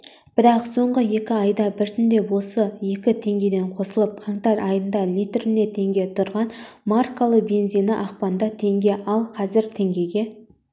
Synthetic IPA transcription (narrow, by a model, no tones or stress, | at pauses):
b̥ɪɾɑqso̞ɴʁəje̞kʲɪɑjd̪ɑbɪɾt̪ʰʏnd̪e̞wo̞səje̞kʲɪt̪ʰe̞ŋɡʲe̞d̪e̞ɴqʰo̞səlˠəp̚qʰɑɴt̪ɑɾʔɑjənd̪ɑlʲijt̪ɪɾɪne̞t̪ʰe̞ŋɡʲe̞t̪ʰʊɾʁɑn | markːalˠəbe̞nzijnɪʔɑqpɑnd̪ɑt̪ʰe̞ŋɡʲe̞ʔɑlˠqʰɑzɪɾt̪ʰe̞ŋɡʲe̞ɡʲe̞